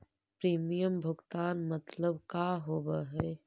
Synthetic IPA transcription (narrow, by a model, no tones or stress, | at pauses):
pɾiːmijəmbʱʊɡt̪aːnmɐt̪ləbkaːɦoːbaɦɛː